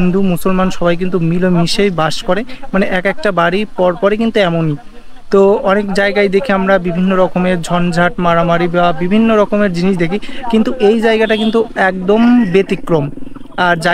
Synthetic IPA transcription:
nd̪umusolmanʃɔbajk̬int̪̬umilomiʃejbaʃkɔɾemaneʔɛkɛk̚ʈabaɽiɾpɔɾpɔɾek̬int̪uɛmoni | t̪oɔnekd͡ʑaeɡajd̪ekʰiamɾabibʱinːoɾɔkomeɾd͡ʑʱɔnd͡ʑʱaʈmaɾamaɾibabibʱinːoɾɔkomeɾd͡ʑiniʃd̪ekʰikint̪uʔejd͡ʑaeɡaʈakint̪uɛk̚d̪ombet̪ikɾom | aɾd͡ʑa

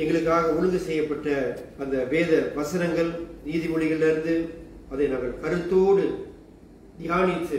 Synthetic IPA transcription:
ɛŋɡɐɭɯkːaːɣɐʊɻɯðɯsɛjːɐpːɐʈːɐɐnd̪ɐʋeːðɐʋɐsɯɾɐŋɡɐɭniːðɪʋɔɭɪɣɐɭnɐɾɯnd̪ɯɐðɐnɐŋɡɐɭkɐɾɯt̪ːoːɽɯ | d̪ɪjaːnɪt̪ːɯ

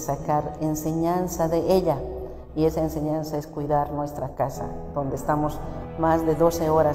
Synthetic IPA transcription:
sakaɾenseɲansaðeʔeʎa | iesaenseɲãnsaeskwiðaɾnwest̪ɾakasa̰d̪̥ond̪eːst̪amos | mazd̪eðoseoɾa

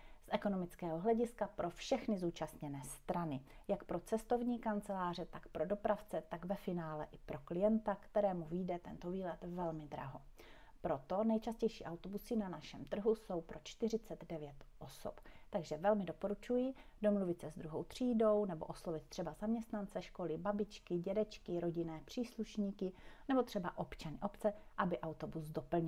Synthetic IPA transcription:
sʔɛko̞no̞mɪt͡skɛːɦoɦlɛɟɪskapɾʔo̞fʃɛxnɪzuːt͡ʃast̪ɲɛnɛːst̪ɾanɪjakpɾo̞t͡sɛst̪o̞vɲiːkant͡sɛlaːr̝ɛt̪akpɾo̞do̞pɾaft͡sɛt̪aɡvɛfɪnaːlɛʔɪpɾo̞klɪjɛnt̪akt̪ɛɾɛːmuviːdɛt̪ɛnt̪o̞viːlɛt̪vɛlmɪd̪ɾa̰ɦo̞ | pɾo̞t̪o̞nɛjt͡ʃascɛjʃiːʔawt̪obusɪnanaʃɛmt̪r̩ɦuso̞wpɾo̞t͡ʃt̪ɪr̝ɪt͡sɛd̪dɛvjɛt̪ʔoso̰pt̪aɡʒɛvɛlmɪdopo̞ɾut͡ʃujɪdomluvɪt̪sɛzd̪ɾuɦowt̪r̝̥iːdo̞wnɛboʔoslovɪt̪̚t̪r̝̥ɛbazamɲɛst̪nant͡sɛʃko̞lɪbabɪt͡ʃkɪɟɛdɛt͡ʃkɪɾo̞ɟɪnɛːpr̝̥iːsluʃɲiːkɪnɛbo̞t̪r̥ɛbaʔo̞pt͡ʃanɪʔo̞pt͡sɛʔabɪʔawt̪obusdopl̩ɲ

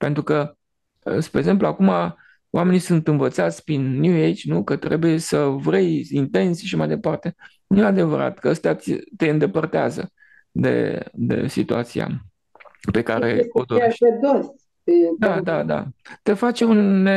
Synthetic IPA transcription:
pe̞nt̪ɾukə | əspɾeɡze̞mp̬luakuma | owʔame̞nisunt̪ɨnvət̪sat̪sʲpɾinːjuejt͡ʃʲnukət̪ɾe̞buje̞səvɾe̞jint̪e̞nsʃaʃamajd̪e̞part̪e̞ | nujead̪e̞vəɾa̰t̪kəəst̪eat̪t̪e̞ɨnd̪e̞pərt̪eazə̰ | d̪e̞̰d̪e̞̰sḭt̪uat̪sia̰ | pe̞kaɾe̞̰od̪oed̪os | ed̪ad̪ad̪a̰t̪e̞fat͡ʃe̞une

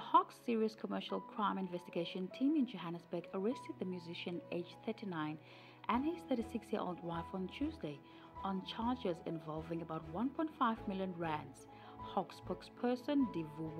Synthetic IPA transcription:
ðəhɔksːiɹiəskʰəmɜʃəlˠkʰɹ̥ãɪ̃mɪ̃nvɛstiɡeɪʃə̃ntʰĩmɪ̃nd͡ʒoɦænəsb̥ɜ˞ɡəɹɛstəd̪̚ðəmjuzɪʃə̃neɪd͡ʒθɜtinãɪ̃n | ʔə̃niz̥θɜɾisɪksjiəɹʔo̰lˠd̚waɪfə̃nt͡ʃʰʉzdeɪ | ə̃nt͡ʃʰaɹd͡ʒɛzɪ̰̃ɱvɔlˠvɪ̃ŋəbaʊt̚wʌ̃npʰɔ̃ɪ̃ntfaɪvmɪljə̃nɹæ̃ns | hɔksbɔkspʰɜ˞sə̃ndivu

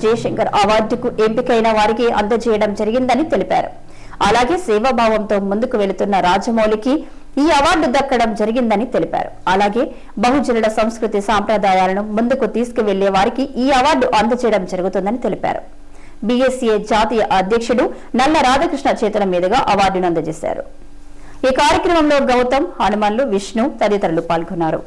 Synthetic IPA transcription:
d͡ʒɐjɐʃɐŋkɐɾʔɐʋaːɾɖ̪ukuʔempikɐjnɐʋaːɾikeɐ̰nd̪ɐt͡ʃɛːjɐɽɐmd͡ʒɐɾiɡind̪ɐnit̪e̞lipa̰ːɾṵ | ɐlaːɡe̞ːsɛːʋɐbʱaːʋɐmt̪o̞ːmund̪ukuʋe̞ɭut̪unːɐɾaːd͡ʒɐmɐwliki | iːɐʋaːɾɖud̪ɐkːɐɽɐmd͡ʒɐɾiɡind̪ɐnit̪e̞lipʲa̰ːɾuɐlaːɡe̞ː | bɐɦud͡ʒilɐlɐsɐ̃m̃skɾut̪isaːmpɾɐd̪aːjaːlɐnumund̪ukut̪iːsu̥kuʋe̞ɭːɛːʋaːɾikiʔiːɐʋaːɾɖuʔɐnd̪ɐt͡ʃɛjɐɽɐmd͡ʒɐɾuɡut̪und̪ɐnit̪e̞lipa̰ːɾṵ | biesijeːd͡ʒaːt̪iːjɐʔɐd̪ʱjɐkʂuɽu | nɐlːɐɾaːd͡ʒʱɐkɾiʂɳɐt͡ʃeːt̪ulɐmiːd̪ɐɡaːʔɐʋaːɾɖunɐnd̪ɐt͡ʃeːsa̰ːɾṵ | iːkaːɾjɐkɾɐmɐmlo̞ːɡɐwt̪ɐmhɐnumaːnluʋiʂɳut̪ɐd̪jɐt̪ɐɾɐlupaːlɡɔnːaːɾṵ

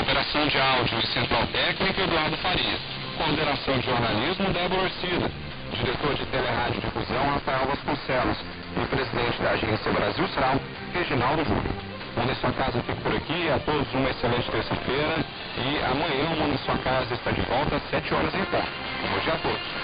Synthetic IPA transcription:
opeɾasɐ̃w̃d͡ʒɪawd͡ʒʊɪ̃sẽnt̪ɾawt̪ɛknikɐed̪uaɾd̪ʊfaɾiɐs | kõsd̪enasɐ̃w̃d͡ʒɪʒoɾnalizmʊd̪ɛbooɾsid̪ɐ | d͡ʒiɾet̪oɾd͡ʒɪt̪eleɦad͡ʒʊd͡ʒɪfuzɐ̃w̃hafaɛwvaskõsɛlʊs | ɪpɾezid̪ẽnt͡ʃɪd̪ɐːʒẽsiɐbɾaziwseɾa | heʒinawd̪ʊʒṵɾʊ̰ | mõnd̪ɐsuɐkazɐfikɐ̥pʊɾakiat̪od̪ʊzũmɐeselẽnt͡ʃɪ̥t̪eɾsɐfeɾɐ | ɪa̰mɐ̃ɲɐ̃mõnɐsuɐkazɐɪst̪ad͡ʒɪvɔwt̪ɐsɛt͡ʃɪɔɾɐzẽj̃kõ̰t̪ɐ | ũbõd͡ʒiɐat̪od̪ʊs

